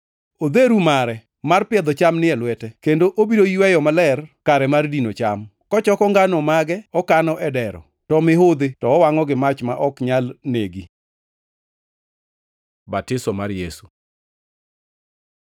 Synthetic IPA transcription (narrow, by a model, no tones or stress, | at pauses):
od̪eɾumaɾɛ | marpɪɛd̪ɔt͡ʃamnɪɛlwɛtɛkendoʔobidoiwɛjɔmalɛrkaɾɛmardinot͡ʃamkɔt͡ʃɔkɔŋɡanɔmaɡɛɔkanɔʔɛdɛɾɔ̰ | tɔmɪɦod̪etɔːwaŋɔɡɪmat͡ʃmaʔɔkɲalneɡi | batɪsɔmaɾjesu̥